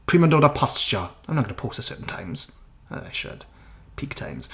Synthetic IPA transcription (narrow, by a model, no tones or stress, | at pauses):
kʰɹimə̃ndɔɾəpʰɑst͡ʃəãɪ̃mnətɡʌnəpʰɔːˑsəsɜ̰ˑʔn̩tʰã̰ɪ̃mz̥ | o̰aɪʃʊ̰d̥ | pʰiktʰã̰ɪ̃mz̥